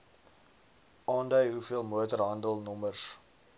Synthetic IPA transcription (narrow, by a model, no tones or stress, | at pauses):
ʔɑːndœɥɦufiəlˠmuətərɦɐndəlˠnɔmərs